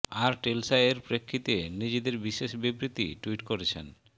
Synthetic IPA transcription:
aɾʈelsajeɾpɾekʰːit̪enid͡ʑed̪eɾbiʃeʃbibɾit̪ḭʈuiʈkoɾet͡ɕʰḛn

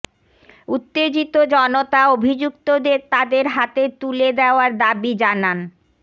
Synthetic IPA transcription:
ut̪ːed͡ʑit̪od͡ʑɔnot̪aobʱid͡ʑuk̚t̪od̪eɾt̪ad̪eɾɦat̪et̪uled̪eoaɾd̪abid͡ʑanan

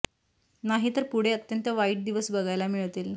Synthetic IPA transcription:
naɦiːt̪əɾpuɽ̤eət̪jənt̪əʋaiːʈ̚d̪iʋəsbəɡajlamiɭt̪iːl

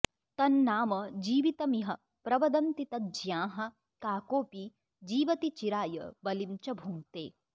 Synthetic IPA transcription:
t̪ɐnːaːmɐd͡ʒiːʋit̪ɐmiɦɐ | pɾɐʋɐd̪ɐnt̪it̪ɐd͡ʒjãːɦɐ̆ | kaːkoːpi | d͡ʒiːʋɐt̪it͡ʃiɾaːjɐ̰bɐlimt͡ʃɐbʱuŋt̪ḛː

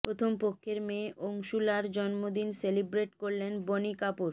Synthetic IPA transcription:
pɾot̪ʰompokʰːeɾmeʔoŋʃulaɾd͡ʑɔnmod̪inselibɾeʈkoɾlenbonikapuɾ

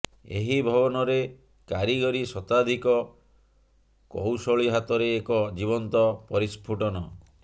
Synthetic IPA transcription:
ḛɦibʱɔbɔnɔɾe | kaɾiɡɔɾisɔt̪ad̪ʱikɔ | kowsɔɭiɦat̪ɔɾeːkɔd͡ʒibɔnt̪ɔpɔɾispʰuʈɔnɔ

